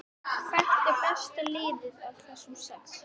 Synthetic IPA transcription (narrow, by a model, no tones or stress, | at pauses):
kʰvɛht̪ɪpɛst̪ɪlɪːðɪðavθɛsːʏmsɛks